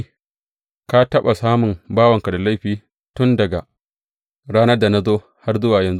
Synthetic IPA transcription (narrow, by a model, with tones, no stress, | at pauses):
ka˦tɐ˦ɓa˨saː˦mʊ˨mbaː˦wɐ˨ŋka˨da˨la˦jɸiː˨ | tʊ˦ndɐ˨ɡa˨ | ɽaː˦nɐ˦rda˨na˦zoː˦ | ha˦rzʊ˦waː˨jɐ˨nz